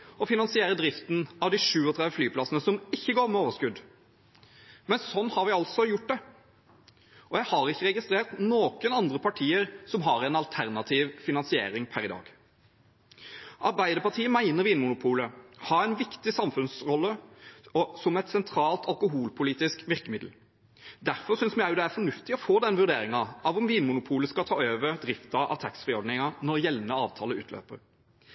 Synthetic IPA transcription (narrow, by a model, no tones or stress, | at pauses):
ɔfɪnɑnsɪeːɾəd̪ɾɪft̪n̩ɑʋd̪ɪʂʉːɔt̪ʰɾɛd̪ʋəflyːpʰlɑsənəsɔmɪçːəɡoːɾmɛoːʋəɾʂkʉd̪ | mɛnsɔnːhɑɾʋɪɑlt̪sɔjʊʈ̚ːd̪ɛ | ʔɔjæɪhɑɾɪçːəʁɛɡɪst̪ɾeːʁt̪noːkənɑnd̪ɾəpɑʈʰiːəɾsɔmɦɑɾɛnɑlt̪ʰæʁnɑt̪ʰiːʋfɪnɑnsɪḛːɾɪŋpʰæɾɪd̪ɑ̰ːɡ̥ | ʔɑɾbæɪd̪əʁpɑʈʰiːəmæɪnəʁɾʋiːnmʊnʊpʰuːləhɑːæɪnʋɪkt̪ɪsɑmfʉnsʁɔlːəɔsɔmɛt̪sɛnt̪ʰɾɑːlt̪ʰɑlkʊɦuːlpʰʊliːt̪ɪskʋɪʁkəmɪd̪l̩ | d̪æʁfɔsʏnsmɪæɪʊd̪ɛæɾfɔɳʉft̪ɪɔfoːd̪ɛnʋʉʁd̪eːɾɪŋɑɑʋʊmʋiːnmʊnʊpʰuːləskɑt̪ʰɑːøːʋəɾd̪ɾɪft̪ɑʔɑ̰ʋt̪ʰæksfʁɪɔɖnɪŋɑnɔɾjɛlːnəɑːʋt̪ʰɑːləʉ̰ːt̪ʰlø̰ːpəɾ